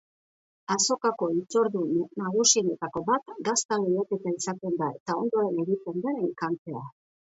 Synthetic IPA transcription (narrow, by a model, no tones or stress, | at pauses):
aso̞kako̞it͡so̞ɾðunnaɣusienet̪ako̞βat̪ɡast̪alejake̞t̪aisat̪e̞nd̪ae̞t̪ao̞nd̪o̞ɾe̞ne̞ɣit̪e̞nd̪aeŋkant͡se̞a